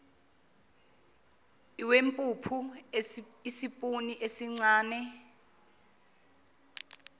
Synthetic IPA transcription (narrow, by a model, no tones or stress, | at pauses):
iwempʼupʰu | isipʼuniʔesiŋ͡ǀaːnɛ